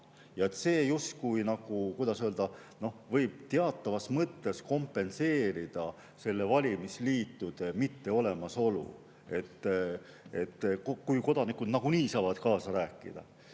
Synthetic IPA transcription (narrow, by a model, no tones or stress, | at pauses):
jɑe̞t̪se̞ːjust̪kujnɑɡ̥ukujd̪ɑsøld̪̥ɑno̞vɤjb̥̚t̪eɑt̪ːˑɑvɑsmɤt̪ːe̞sko̞mpːe̞nse̞ːɾid̪̥ɑ | se̞lːe̞vɑlʲimisliːt̪ːˑud̪̥e̞mit̪ːe̞o̞le̞mɑso̞lṵ | e̞t̪ː | e̞t̪ːkkujko̞d̪ɑnikːˑud̪̥nɑɡ̥uniːsɑːvɑd̪̥kɑːsɑɾæːkːˑḭd̪̥ɑ̰